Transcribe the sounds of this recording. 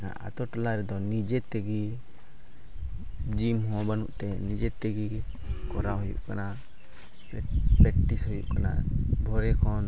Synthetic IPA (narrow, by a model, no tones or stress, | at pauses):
a̰ʔa̰t̪ɔʈɔlaɾɛd̪ɔnid͡ʒɛt̪ɛɡi | d͡ʒimɦɔ̃banuʔt̪ɛnid͡ʒɛt̪ɛɡi | kɔɾaɦɔjṵʔkana | pɛʈːishɔjṵʔkana̰bʱɔɾɛkʰɔn